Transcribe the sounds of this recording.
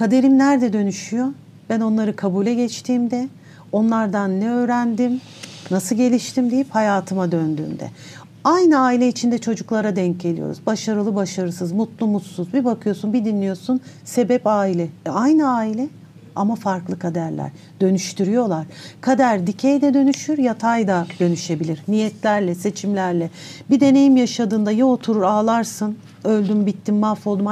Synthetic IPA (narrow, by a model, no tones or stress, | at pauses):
kʰad̪e̞ɾimnæɾd̪ɛd̪ø̞nyʃyjo̞ | b̥æno̞nlˠaɾɯkʰabuːlʲɛɟɛt͡ʃt̪ʰiːmd̪ɛ | o̞nlˠaɾd̪anːɛø̞ːɾænd̪im | nːasɯɟe̞lʲiʃt̪ʰimd̪ejiphajaːt̪ʰɯmad̪ønd̪y̰ːmd̪ɛ̰ | ajnɯaːilʲɛit͡ʃʰind̪ɛt͡ʃʰo̞d͡ʒuklˠaɾad̪ɛɲ̚ɟe̞lʲḭjo̞̰ɾṵzbaʃaɾɯlˠɯbaʃaɾɯsɯzmut̪lˠumut̪suzbibakʰɯjo̞sunbid̪inlʲːijo̞sunse̞bɛpaːilʲɛajnɯaːilʲɛ | a̰mafaɾklˠɯkʰad̪æɾlʲæ̰ɾ̥ | d̪ø̞nyʃt̪yɾyjo̞lˠaɾ̥kʰad̪aɾd̪icʰejd̪ɛd̪ø̞nyʃyɾjat̪ʰajd̪ad̪̥ø̞nyʃe̞bilʲiɾnijɛt̪lʲæɾlʲɛse̞t͡ʃʰimlʲæɾlʲɛbid̪e̞ne̞jimjaʃad̪ɯːnd̪ajaot̪ʰuɾuɾaːlˠaɾsɯn | ø̞lʲd̪ymbit̪ʰːinːafolˠd̪uma